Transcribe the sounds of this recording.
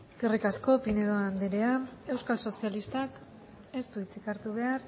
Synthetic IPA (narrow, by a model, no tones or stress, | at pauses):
sɡerikasko̞pineɾoand̪eɾeae̞wskalso̞sialist̪ak | e̞st̪uit͡sikaɾt̪uβ̞e̞aɾ